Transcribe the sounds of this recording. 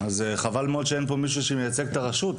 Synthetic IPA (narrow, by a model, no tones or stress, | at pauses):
azeχavalmeod̪ʃeenpo̞miʃ̬uʃemejat͡se̞ɡ̚t̪aʁaʃut